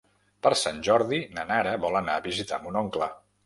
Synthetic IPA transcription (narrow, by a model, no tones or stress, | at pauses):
pəɾsanʲʒɔɾðinənaɾəβɔlˠənaəβizit̪a̰munɔŋklə